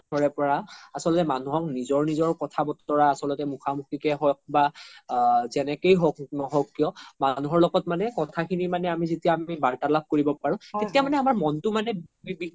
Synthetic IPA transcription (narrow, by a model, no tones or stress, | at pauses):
ɔɹɛpɔɹaasɔlɔtɛmanuɦɔknizɔɹnizɔɹkɔtʰabɔtːɔɹaːsɔlɔtɛmukʰamukʰikɛɦɔjk̚ba | zɛnɛkejɦɔk̚nɔɦɔkːijɔmanuɦɔɹlɔɡɔtmanɛkɔtʰakʰinimanɛamizetijaːmibaɹtalab̚koɹibɔpaɹũtetiamanɛamaɹmɔntʊmanɛbi